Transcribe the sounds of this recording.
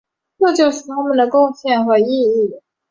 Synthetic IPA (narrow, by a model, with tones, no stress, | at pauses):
ʈ͡ʂɤ˥˧t͡ɕjo˥˧ʊʂɻ̩˥˩t̪ʰa˥mə˨nd̪ə˩kʊ˥˧ŋɕjɛ˥˩nxwɔ˥˩i˥˧i˥˩